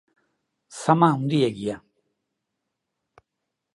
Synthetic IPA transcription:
sɐmaũnd̪ijaɡija

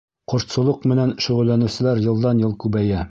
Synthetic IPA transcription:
qŏʃt̪sŏlˠɤqmɘ̆nænʃŭʁɵ̆lːænɘ̆sɘ̆læɾjɤ̆lˠd̪ɑnjɤlˠkʉbæjæ

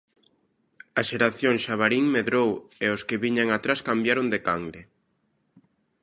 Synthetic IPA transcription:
aʃeɾaθjoŋʃaβaɾiŋmeðɾoweoskɪβiɲaŋat̪ɾaskambjaɾond̪ekaŋɡɾe

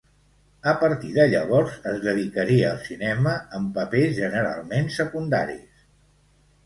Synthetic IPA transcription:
əpəɾt̪iðəʎəβ̞ɔɾzəzðəðikəɾiəːlˠsinɛməəmpəpezʒənəɾa̰lˠmensəkund̪a̰ɾḭs

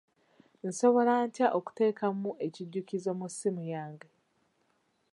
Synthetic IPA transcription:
n̩so̞βo̞lantjaʔoku̥te̞ːkamuʔe̞ciɟːucizo̞musːimujaːŋɡe

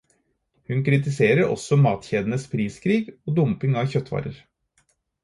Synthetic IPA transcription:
hʉnkʰɾɪt̪ɪseːɾəɾɔ̰sɔmɑːt̪çeːd̪ənəspʰɾiːskʰɾiːɡoːd̪ʊmpɪŋɑːʋçœt̪ʰːʋɑ̰ːɾə̰ɾ

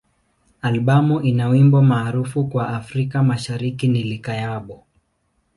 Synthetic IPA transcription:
alɓamuʔinawimbɔmaːɾufukwaʔafɾikamaʃaɾikinilikajaɓɔ

